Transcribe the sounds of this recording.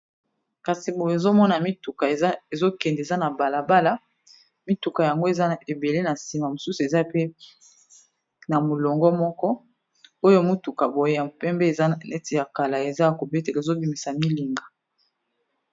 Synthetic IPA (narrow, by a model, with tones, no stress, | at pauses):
ka˨si˨bo˨jo˨e˨zo˦mɔ˦na˨mi˦tu˨ka˨˦e˨zo˦kɛ˨ndza˦na˨ba˨la˨ba˦la˦ | mi˦tu˨ka˨ja˨ŋɡo˦e˨za˦˨e˨be˨le˦na˨si˨ma˨mo˨su˦su˨e˨za˦pe˦ | na˨mo˨lɔ˨ŋɡɔ˦mɔ˦kɔ˦ | o˦jo˦˨˦mo˦tu˨ka˨bo˨je˦ja˨pɛ˦mbe˦˨za˦˨nɛ˦ti˨ja˨ka˨la˨e˨za˦ja˨ko˨be˦te˨lzo˦bi˨mi˨sa˨mi˦li˨ŋɡa˨